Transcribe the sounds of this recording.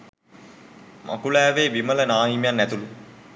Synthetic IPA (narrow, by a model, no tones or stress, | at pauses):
mʔa̰kulæːʋeːʋimələnaːjimejanːæt̪ulu